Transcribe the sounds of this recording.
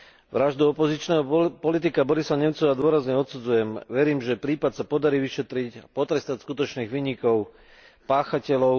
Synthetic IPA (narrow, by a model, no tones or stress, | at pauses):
ʋɾaʒd̪uɔpɔzit͡ʃnɛːɦɔpɔlit̪̬ikabɔɾisaɲɛmt͡sɔʋad̪ʊɔɾazɲɛɔt̪sud͡zujɛmʋɛɾiːmʒɛpɾiːpat̪sapɔd̪aɾiːʋiʃɛt̪ɾicpɔt̪ɾɛst̪acskut̪ɔt͡ʃniːɣʋiːɲikɔʊ | paːxacɛlɔʊ